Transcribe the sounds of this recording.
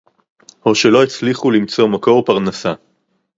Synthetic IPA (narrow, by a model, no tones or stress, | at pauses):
ho̞ʃe̞lo̞et͡sliχulimt͡so̞mako̞ʁpaʁnasa